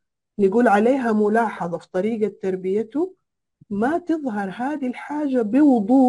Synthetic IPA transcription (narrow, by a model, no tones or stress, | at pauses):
nɪɡuːlʕaleːɦamʊlɑːħɑðˤɑfi̥t̪ˤɑɾiːɡat̪ːɑɾˤbɪjat̪ʊ | mat̪ɨðˤɦɑɾˤɦaːd̪ilħaːd͡ʒːabɪwʊd̪ˤuː